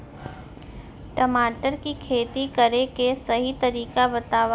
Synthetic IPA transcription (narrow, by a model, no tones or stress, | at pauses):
ʈəmaːʈəɾkikʰeːt̪ikəɾekesɐɦit̪ɐɾiːkabɐt̪aːʋa